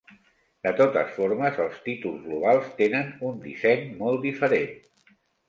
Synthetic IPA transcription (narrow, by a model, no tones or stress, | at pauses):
d̪ət̪ot̪ə̰sfoɾməzəlˠst̪it̪ulˠzɣluβalˠst̪enənund̪ḭsɛɲmɔlˠt̪d̪ifəɾen